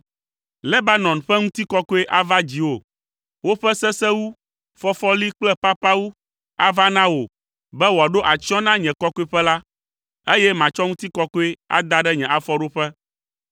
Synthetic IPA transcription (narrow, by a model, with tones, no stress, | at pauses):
lɛ˦ba˦nɔ̃˨nɸɛ˦ŋũ˦t̪i˦kɔ˦ko˦e˦ʔa˦va˦d͡ʑi˨wo˦˨ | wo˦ɸɛ˦sɛ˦sɛ˦wu˦ | fɔ˦fɔ˦li˦k͡plɛ˦pa˦pa˦wu˦ | a˦va˦nã˦wo˨ | bɛ˦wo˨a˨ɖo˦ʔa˨t͡ʃɔ̃˦nã˦ɲɛ̃˨kɔ˦ko˦e˦ɸɛ˦la˦ | e˦jɛ˦mã˨t͡ʃɔ˦ŋũ˦t̪i˦kɔ˦ko˦e˦a̰˦d̪a˦ɖɛ˦ɲɛ̃˨ʔa˨fɔ˦ɖo˦ɸɛ˦